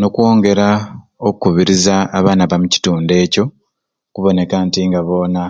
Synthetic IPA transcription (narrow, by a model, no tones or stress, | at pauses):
no̞kwo̞ːŋɡe̞ɾaokukuβiɾizaːβaːnaβamuci̥tuːnde̞ːco̞ | kuβo̞ne̞kantiŋɡaβo̞ːna